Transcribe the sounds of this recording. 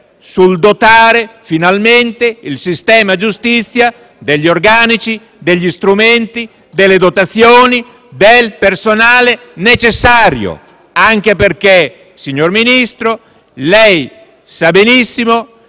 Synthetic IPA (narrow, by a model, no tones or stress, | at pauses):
suld̪ot̪aːɾefinalment̪eilsist̪ɛːmad͡ʒust̪it̪sːja | d̪eʎːiorɡaːnit͡ʃi | d̪eʎːist̪ɾument̪i | d̪elːed̪ot̪at̪sːjoːni | d̪elpersonaːle | net͡ʃesːaːɾjo̰ | aŋk̟eperke | siɲːorminist̪ɾo | lɛj | sabenisːimo